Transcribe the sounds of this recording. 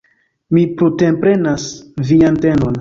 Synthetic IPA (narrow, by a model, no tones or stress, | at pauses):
mipɾutempɾe̞nasviantenon